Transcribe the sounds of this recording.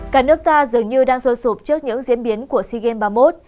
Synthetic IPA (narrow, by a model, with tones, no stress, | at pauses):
kaː˧˩nɨ˦˥ək̚t̪aː˧zɨ˨˩əŋɲɨ˧ɗaː˧ŋso˧so˨˩p̚t͡ɕɨ˦˥ək̚ɲɨ̰˧˥ŋzḭ˧˥ənɓi˨˦ənku˧˩əsi˧ɣɛ˧nɓaː˧mo˦˥t̚